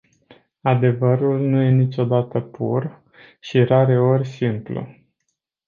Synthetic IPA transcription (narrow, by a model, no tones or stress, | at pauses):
ad̪e̞vəɾulnuje̞nit͡ʃo̞d̪at̪əpʰṵr | ʃiɾaɾe̞o̞rʲsimplṵ